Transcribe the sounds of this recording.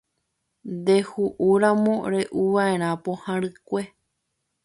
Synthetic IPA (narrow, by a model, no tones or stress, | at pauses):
nd̪e̞huʔuɾãmõ̞ɾe̞ʔuʋae̞ɾ̃ãpo̞hãɾɨkʷe̞